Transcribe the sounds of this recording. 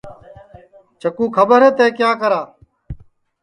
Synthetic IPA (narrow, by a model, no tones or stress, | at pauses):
t͡ʃəkũːkʰəbəɾɦeːt̪eːkjaːkəɾaː